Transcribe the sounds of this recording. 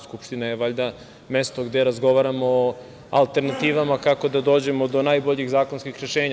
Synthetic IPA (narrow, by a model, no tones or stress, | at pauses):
skupʃt̪inajeʋaʎd̪a | me̞st̪o̞ɡd̪e̞ɾazɡo̞ʋaɾamo̞ | a̰lˠt̪e̞ɾnat̪iːʋamakako̞d̪ad̪oːd͡ʑe̞mod̪o̞najbo̞ʎiɣzaːkonskixɾe̞ʃe̞ːɲa